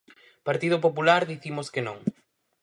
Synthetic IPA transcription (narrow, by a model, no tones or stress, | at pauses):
paɾt̪ið̞op̬opulaɾðiθimʊskɪnõŋ